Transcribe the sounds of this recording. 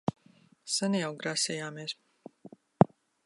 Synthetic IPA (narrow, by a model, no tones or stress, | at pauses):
sanijawɡɾasʲɛjaːmeɛs